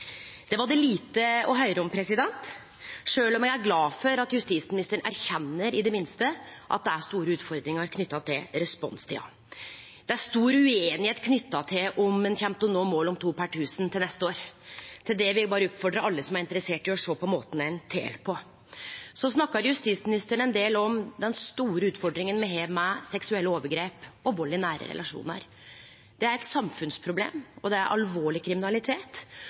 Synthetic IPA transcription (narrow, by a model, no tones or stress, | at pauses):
d̪̥ɛʋɑɖɛliːt̪əɔɦœʏɾəɔmpʰɾɛsɪd̪ɛnt̪ | ʂøːlɔmjɛɡæɾɡlɑːfɔɾɑt̪jʉst̪iːsmɪnɪst̪əəɳæ̰ɾçɛnːəɾɪd̪ɛmɪnst̪əʔɑ̰t̪̚d̪ɛæʂt̪uːɾəʉːt̪fɔɾd̪ɾɪŋɑɾkʰnʏt̪ːɑt̪ʰɪlɾɛspɔ̰nst̪ʰɪɑ̰ | d̪̥ɛæɾʂt̪uːɾəʉeːnɪheːt̪kʰnʏt̪ːɑt̪ʰɪlʔɔmɛnçɛmt̪ɔnoːmoːlɔmt̪ʰuːpʰæʈʰʉːsənt̪ʰɪlnɛst̪əoːɾt̪ʰɪld̪ɛʋɪbɑːɾəʉpfɔɖɾəʔɑlːəsɔmæɾɪnt̪əɾəseːʈɪɔʂoːpɔmoːt̪n̩æɪnt̪ʰḛːlpʰɔ | sɔsnɑkːɑɾjʉst̪it̪smɪnɪst̪əɳəɛnd̪eːlɔmd̪ɛnst̪uːɾəʉːt̪fɔɖɾɪŋənmɛɦeːʋmɛsɛksʉɛlːəoːʋəɡɾeːpɔʋolːɪnæːɾə̰ɾɛ̰lɑʂṵːnɑ̰ɾ | d̪̥ɛæɾɛt̪sɑmfʉnspʰɾʊblḛːmɔd̪ɛæɾʔɑ̰lʋoːɭɪkʰɾɪmɪnɑlɪt̪ʰeːt̪